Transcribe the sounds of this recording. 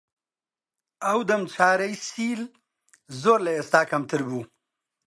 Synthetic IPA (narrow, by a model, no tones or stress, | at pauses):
awd̪ɐmt͡ɕʰaːɾɐjsiːl | zoːɾlɐjɐst̪aːkɐmt̪ʰəɾbuː